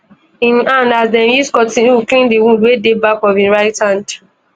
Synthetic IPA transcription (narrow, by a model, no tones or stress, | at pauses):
ĩnãndazdɛ̃njiskɔtĩuklĩndiwũdwedebakɔvĩɹaɪthãnd